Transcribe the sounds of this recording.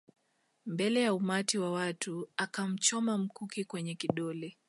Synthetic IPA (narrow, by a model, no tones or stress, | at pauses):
mbɛlɛjaumatiwawatuakam̩t͡ʃɔmam̩kukikwɛɲɛkiɗɔlɛ